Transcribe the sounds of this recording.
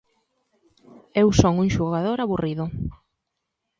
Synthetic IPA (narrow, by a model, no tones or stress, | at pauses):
ewsoŋuŋʃuɣaðoɾaβuriðʊ